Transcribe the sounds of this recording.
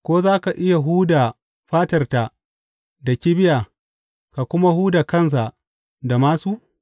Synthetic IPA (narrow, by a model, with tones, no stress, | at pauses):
kʷoː˦zaː˦ka˨ʔɪ˦ja˨ɦuː˦da˨ | ɸaː˦tɐ˨rta˨ | da˨kʲi˦bɪ˦jaː˨ | ka˨kʷʊ˦ma˦huː˦da˨kɐ˦ns̬a˨ʔ | da˨maː˦suː˦